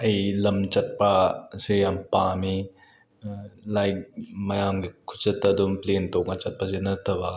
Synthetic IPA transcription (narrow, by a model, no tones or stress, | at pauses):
ɐjlɐmt͡ʃɐt̚pasejampami | lajk̚mɐjamɡikʰu̥t͡ʃɐtːɐdumplentok̚ŋɐt͡ʃɐt̚pɐzenɐt̪ʰɐbɐ